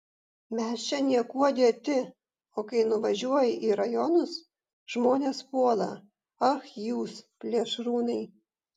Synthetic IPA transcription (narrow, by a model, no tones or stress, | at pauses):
mʲɛst͡ʃʲɛnʲiɛkuɔd̪ʲeɛt̪ʲɪ | oːkɐɪnʊʋɐʒʲuɔjɪʔiːɾɐjɔnʊs | ʒ̥moːnʲeːspuɔlˠɐ̰ | ɐxjuːspʲlʲiɛʃɾuːnɐɪ